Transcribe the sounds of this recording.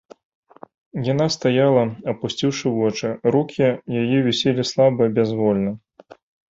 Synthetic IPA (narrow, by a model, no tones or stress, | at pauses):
jan̪ast̪ajalˠɐɐpusʲt͡sʲiwʂɨvɔt͡ʂɨɾukʲʰijajɛvʲɛsʲelʲislˠabɨjɐbʲazvɔlʲnɐ